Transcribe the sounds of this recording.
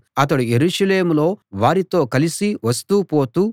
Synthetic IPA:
ɐt̪̬ɐɽujeɾuːʂɐle̞ːmulo̞ːʋaːɾit̪o̞ːkɐlisiʋɐst̪uːpo̞ːt̪uː

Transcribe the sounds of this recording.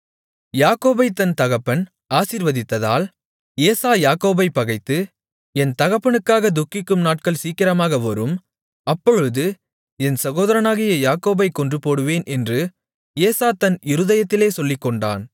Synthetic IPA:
jaːkoːbɐɪt̪ɐnt̪ɐɣɐpːɐn | aːsiːɾʋɐðɪt̪ːɐða̰ːl | eːsaːjaːkoːbɐɪpːɐɣɐɪt̪ːɯ | ɛnt̪ɐɣɐpːɐɳɯkːaːɣɐd̪ʊkːɪkːɯmnaːʈ̚kɐɭsiːkːɪɾɐmaːɣɐʋɐɾɯm | ɐpːɔɻɯðɯ | ɛnsɐɣoːðɐɾɐnaːɣɪjɐjaːkoːbɐɪkːɔndrɯpoːɽɯʋeːnʔɛndrɯ | eːsaːt̪ɐnɪɾɯðɐjɐt̪ːɪleːsɔlːɪkːɔɳɖa̰ːn

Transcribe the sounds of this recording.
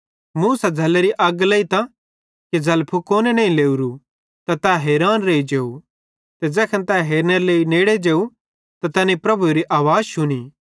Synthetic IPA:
muːsad͡zʱɐleɾiʔɐɡleːit̪a | ked͡zɐlpʰukoːnenɐĩleːuɾu | t̪at̪ɛɦeːɾaːnɾeːid͡ʒeːu | t̪ɛd͡ʒɛːkʰɐ̃nt̪ɛɦeːɾneɾleːineːɽed͡ʒeːu | t̪at̪ɐnipɾɐbʱuɾiʔaːʋaːd͡ʒt͡ʃʰʊniː

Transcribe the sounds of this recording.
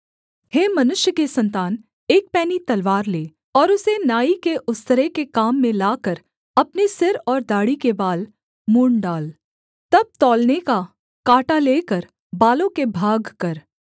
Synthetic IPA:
heːmɐnʊʃjəkesɐ̃nt̪aːn | eːk̚pɛːnit̪ɐlʋaːɾleː | ɔːɾʊsenaːikeʔʊst̪əɾekekaːmːẽlaːkəɾ | ɐpnisɪɾɔːɾd̪aːɽikebaːl | muːɳɖaːl | t̪ɐb̚t̪ɔːlneka | kaːʈaleːkəɾ | baːlõkebʱaːɡkɐɾ

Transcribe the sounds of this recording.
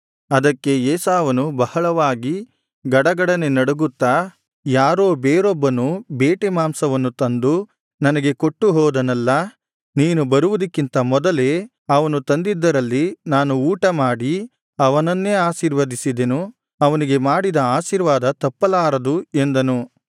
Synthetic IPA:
ɐd̪ɐkːe̞jeːsaːʋɐnubɐhɐɭɐʋaːɡi | ɡɐɽɐɡɐɽɐne̞nɐɽuɡut̪ːaː | jaːɾoːbeːɾɔbːɐnubeːʈemaːmsɐʋɐnːut̪ɐnd̪u | nɐnɐɡe̞ko̞ʈːuɦɔːd̪ɐnɐlːɐ | niːnubɐɾuʋud̪ɐkːint̪ɐmɔd̪ɐle̞ː | ɐʋɐnut̪ɐnd̪id̪ːɐɾɐlːinaːnuuːʈɐmaːɽi | ɐʋɐnɐnːeːaːʃiːɾʋɐd̪isid̪enu | ɐʋɐniɡe̞maːɽid̪ɐaːʃiːɾʋaːd̪ɐt̪ɐpːɐlaːɾɐd̪ue̞nd̪ɐnu

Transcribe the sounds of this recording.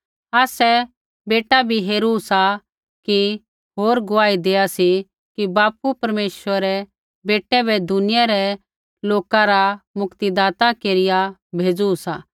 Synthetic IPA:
aːsɛ | beːʈabʱiɦeːɾusa | ki | ɦoːɾɡʊaːid̪eːasi | kibaːpupɐɾmeːsʋəɾɛ | beːʈɛbʱɛd̪ʱʊnɪjaɾɛ | loːkãɾamʊkt̪id̪aːt̪akeːɾɪjabʱeːd͡zusaː

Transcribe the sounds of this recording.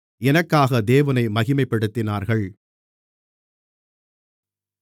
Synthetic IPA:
ɛnɐkːaːɣɐd̪eːʋɐnɐɪmɐɣɪmɐɪpːɐɽɯt̪ːɪnaːɾɣɐɭ

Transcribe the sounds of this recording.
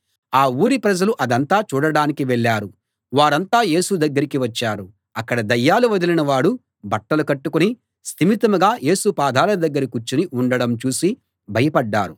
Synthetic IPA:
aːuːɾipɾɐd͡ʒɐluʔɐd̪ɐnt̪aːt͡ʃuːɽɐɽaːnikiʋɛɭːaːɾu | ʋaːɾɐnt̪aːje̞ːsud̪ɐɡːɐɾikiʋɐt͡ʃːaːɾu | ɐkːɐɽɐd̪ɐjːaːluʋɐd̪ilinɐʋaːɽu | bɐʈːɐlukɐʈːukuni | st̪imit̪ɐmuɡaːjʔe̞ːsupaːd̪ʱaːlɐd̪ɐɡːɐɾikut͡ʃːuniʔuɳɖɐɽɐmt͡ʃuːsi | bʱɐjɐpɐɖːa̰ːɾu

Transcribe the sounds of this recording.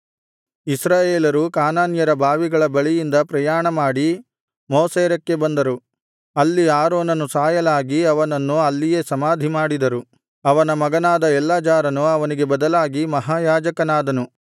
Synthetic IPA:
isɾaːjeːlɐɾukaːnaːnjɐɾɐbʱaːʋiɡɐɭɐbɐɭijind̪ɐpɾɐjaːɳɐmaːɽi | moːseːɾɐkːe̞bɐnd̪ɐɾu | ɐlːiaːɾoːnɐnusaːjɐlaːɡiɐʋɐnɐnːuɐlːije̞ːsɐmaːd̪ʱimaːɽid̪ɐɾu | ɐʋɐnɐmɐɡɐnaːd̪ɐɛlːaːd͡ʒaːɾɐnuɐʋɐniɡe̞bɐd̪ɐlaːɡimɐɦaːjaːd͡ʒɐkɐnaːd̪ɐnu

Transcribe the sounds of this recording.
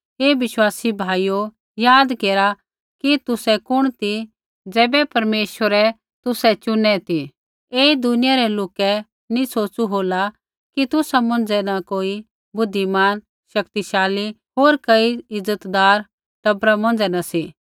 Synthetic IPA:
ɦeːʋɪʃwaːsibʱaːijo | jaːd̪keːɾa | kit̪ʊsɛkʊɽ̃t̪i | d͡zɛːbɛpɐɾmeːʃwəɾɛ | t̪ʊsɛt͡ʃʊnɛt̪i | eːd̪ʊnɪjaɾɛloːkɛ | nĩsoːt͡ʃuɦoːla | kit̪ʊsamɐ̃n̆d͡ʒɛnakoːi | bʊd̪ʱːimaːn | ʃɐkt̪iʃaːli | ɦoːɾkɐiɪzːət̪d̪aːɾ | ʈɐbɾamɔ̃nd͡ʒɛnasiː

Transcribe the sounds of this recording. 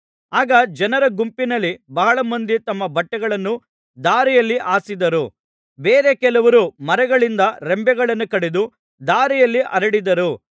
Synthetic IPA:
aːɡɐd͡ʒɐnɐɾɐɡumpinɐlːibɐɦɐɭɐmɐnd̪it̪ɐmːɐbʱɐʈːɐɡɐɭɐnːu | d̪aːɾijɐlːiʔaːsid̪ɐɾu | beːɾe̞kɛlɐʋɐɾumɐɾɐɡɐɭind̪ɐɾembɛɡɐɭɐnːukɐɽed̪u | d̪aːɾijɐlːiʔɐɾɐɽid̪ɐɾu

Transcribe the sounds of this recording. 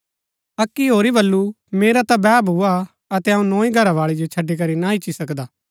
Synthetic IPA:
ɐkːiɦoːɾibɐlːu | meːɾat̪abɛːbʱuːa | ɐt̪eɐũnɔ̃ːĩɡʱɐɾaʋaːɭid͡ʒot͡ʃʰɐɖːik̬ɐɾinaɪt͡ʃːisɐkd̪aː

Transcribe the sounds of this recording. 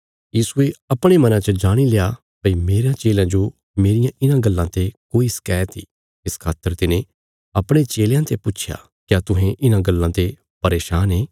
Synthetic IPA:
jiːsueɐpɽ̃emɐnãːt͡ʃəd͡ʒaːɽ̃ilea | pɐimeːɾjãːt͡ʃeːljãd͡ʒo | meːɾɪjãʔɪnãɡəlːãt̪ekoːiskɛːt̪ʰḭː | ɪskʰaːt̪ːəɾt̪ɪnẽ | ɐpɽ̃et͡ʃeːljãt̪epʊːt͡ʃʰja̰ː | kjaːt̪ʊɦẽʔɪnãːɡəlːãt̪e | pɐɾeːʃaːneː

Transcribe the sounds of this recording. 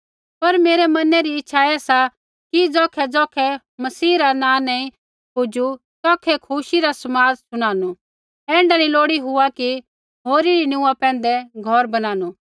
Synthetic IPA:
pɐɾmeːɾɛmɐnɛɾiɪtːʃʰaɛːsa | kid͡zɔːkʰɛd͡zɔːkʰɛ | mɐsiːɾanãːnaːĩ | pʊd͡ʒu | t̪ɔːkʰɛkʰuʃiɾasɐmaːd͡zsʊɽ̃aːnu | ɛ̃ːɳɖanĩloːɽiɦʊaki | ɦoːɾiɾinʊũːapɛ̃ːn̆d̪ɛɡʱɔɾbɐnaːnu

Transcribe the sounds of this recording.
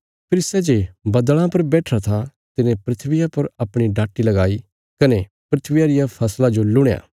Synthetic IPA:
pʰɪɾsɛd͡ʒeːbɐd̪ɭ̃ãpɐɾbɛːʈʰɾat̪ʰa | t̪ɪnẽpɾɪt̪ʰʋɪjapɐɾɐpɽ̃iɖaːʈːilɐɡaːi | kɐne | pɾɪt̪ʰʋɪjaɾɪjapʰɐslad͡ʒolʊɽ̃ja̰ː

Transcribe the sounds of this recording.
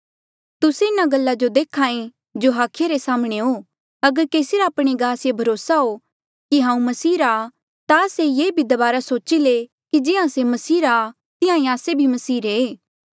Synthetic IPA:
t̪ʊseɪnaɡɐlːad͡ʒod̪eːkʰaːẽ | d͡ʒoɦaːkʰɪjaɾesaːmɽ̃eɦo | ɐɡəɾkeːsiɾaːpɽ̃eɡaːsjebʱɐɾoːsaɦo | kiɦãːũmɐsiːɾaː | t̪asejeːbʱid̪ɐbaːɾasoːt͡ʃile | kid͡ʒɪãsemɐsiːɾaː | t̪ɪɦãĩaːsebʱimɐsiːɾeː

